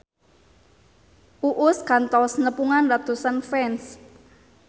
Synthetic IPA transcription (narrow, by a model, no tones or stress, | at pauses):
uʔʊskant̪ɔsnəpuŋanrat̪usanfɛns